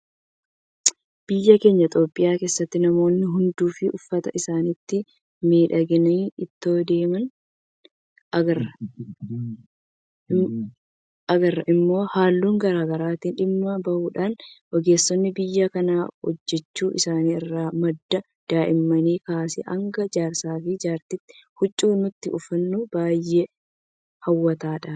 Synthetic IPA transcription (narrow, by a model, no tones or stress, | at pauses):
b̥ɪjːɐke̞ːɲːɐt̪ʼo̞ːpʼːɪjaːkeːsːɐt̪ːɪnɐmo̞ːnːɪɦʊnd̪uːfɪʔʊfːɐt̪ɐʔɪsaːnɪt̪ːɪ | miːᶑɐɡɪniːɪt̪ːo̞ːd̪e̞ːmɐn | ɐɡɐɐ | ʔɐɡɐrːɐʔɪmːo̞ːhaːlːuːŋɡɐɾaːɡɐɾaːt̪iːnᶑɪmːɐbɐʔuːᶑaːnwʔɔɡe̞ːsːɔnːɪbɪjːakɐnaːhɔ̰d͡ʒːɛt͡ʃːuːʔɪ̰saːniːɪrːaːmɐd̪ːɐ | d̪̥aːʔɪmːɐniːkaːsɪ̰ʔɐŋɡɐd͡ʒaːɾsaːfiːd͡ʒaːɾt̪ɪt̪ːɪ̥hʊt͡ʃʼːuːnʊt̪ːɪʔʊfɐnːuːbaːjːeː | hɐwːɐt̪aːᶑaː